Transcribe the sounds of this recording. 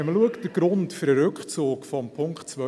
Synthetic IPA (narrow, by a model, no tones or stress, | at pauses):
ɛməluəktd̥əɡ̥ɾʊntfʏɾəɾɵkχt͡soːkfɔmpʰʊŋkχtt͡sʋœ